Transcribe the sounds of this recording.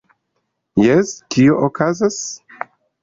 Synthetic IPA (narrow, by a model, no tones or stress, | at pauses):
jestʰioʔokʰazas